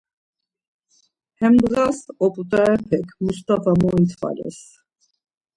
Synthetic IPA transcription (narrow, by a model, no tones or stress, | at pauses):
hɛmbɣasɔpʼut̪ʼaɛpʰɛkʰmust̪afamɔint̪ʰfa̰lɛ̰s